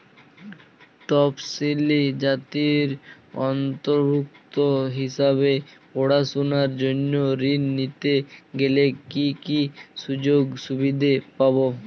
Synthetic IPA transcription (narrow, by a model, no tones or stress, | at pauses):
ʈɔpsilid͡ʑat̪iɾ | ɔnt̪oɾbuk̚t̪oɦiʃaβepoɽasunaɾd͡ʑonːoɾinːit̪eɡelekikiʃud͡ʑoɡʃubid̪ʱepabo